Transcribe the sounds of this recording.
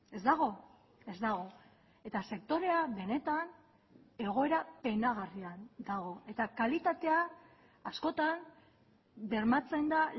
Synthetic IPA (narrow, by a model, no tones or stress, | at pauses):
e̞zd̪aɣ̞o̞ | e̞zd̪aɣ̞o̞ | e̞t̪ase̞k̚t̪o̞ɾe̞aβe̞ne̞t̪an | e̞ɣo̞e̞ɾape̞jnaɣ̞ariand̪aɣ̞o̞e̞t̪akalit̪at̪e̞aː | sko̞t̪am | be̞ɾmat͡se̞nd̪a